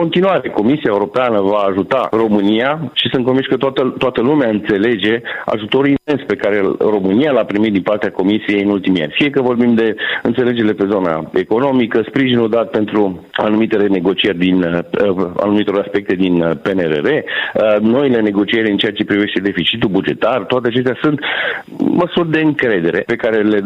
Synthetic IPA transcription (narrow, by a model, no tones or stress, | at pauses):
ko̞nt̪inuaɾe̞ko̞misiaeuɾo̞peanəvaːʒut̪a̰ro̞mɨnijaʃisɨnt̪kovinsʲkət̪at̪ət̪oat̪əlumeaɨnt̪se̞le̞d͡ʒe̞a̰ʒut̪o̞ɾuimme̞nspe̞kaɾe̞ro̞mɨnijalapɾimit̪d̪inpart̪eako̞misije̞jɨnult̪imia̰nʲfije̞kəvo̞rbimd̪e̞ɨnt̪sele̞d͡ʒe̞ɾle̞pe̞zo̞na̰e̞ko̞no̞mikəspɾiʒinuld̪at̪̚pe̞nt̪ɾua̰numit̪e̞lene̞ɡo̞t͡ʃierʲd̪in | a̰numit̪o̞ɾaspe̞k̚t̪e̞d̪inpeneɾḛɾe̞no̞ile̞ne̞ɡo̞t͡ʃie̞ɾʲɨnt͡ʃeat͡ʃe̞pɾive̞ʃt̪e̞d̪e̞fit͡ʃit̪ulbud͡ʒe̞t̪art̪oat̪eat͡ʃe̞s̬t̪easunt̪ | məsurʲd̪e̞ɨŋkɾe̞d̪e̞ɾe̞̰pe̞kaɾe̞le̞